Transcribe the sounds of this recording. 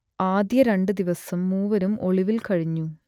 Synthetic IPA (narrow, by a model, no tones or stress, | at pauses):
aːd̪jɐɾe̞ɳɖɨd̪iʋɐsɐmːuːʋɐɾumʔo̞ɭiʋilkɐɻiɲːu